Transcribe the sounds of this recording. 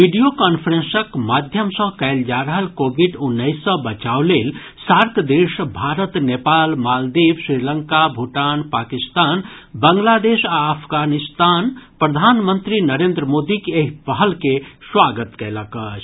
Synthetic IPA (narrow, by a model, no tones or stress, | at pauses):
ʋiɖijokanpʰəɾẽnsəkmad̪ʱjəmsə̃kɛɪld͡ʒaɾəɦəlkobʱiɖunːəɪsːə̃bət͡ʃawlel | saɾkd̪esbʱaɾət̪nepalmald̪ibsɾiləŋkabʱuʈaːnpakist̪aːnbəŋɡlad̪esaəpʰɡanist̪anpɾəd̪ʱanmənt̪ɾinəɾend̪ɾəmod̪ikeɦipəɦəlkeswaɡət̪kɛləkət͡ʃʰ